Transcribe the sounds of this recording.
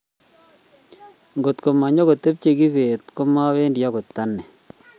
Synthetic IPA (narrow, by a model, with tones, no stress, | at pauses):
ŋɡo˨t̪ko˨ma˨ɲo˦ɡo˨t̪e˦p̚t͡ʃe˨ɡi˦βe˨t̪ko˦ma˦βe˦ndjɔ˦ɡo˨t̪ːa˦nɛ˨